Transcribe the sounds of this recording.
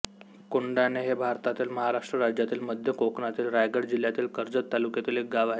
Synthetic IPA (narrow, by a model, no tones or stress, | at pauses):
kuɳɖaneɦebʱaɾt̪at̪iːlməɦaɾaʂʈɾəɾad͡ʑjat̪iːlməd̪ʱjəkoknat̪iːlɾajɡəɽd͡ʑiljat̪iːlkəɾd͡zət̪ːalukjet̪iːlɦek̚ɡaʋa